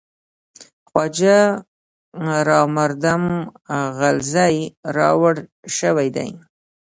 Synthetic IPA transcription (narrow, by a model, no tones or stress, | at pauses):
xwɑd͡ʒa | ɾɑmaɾd̪amɣalzajɾɑ̰waɽʃəwajd̪a̰j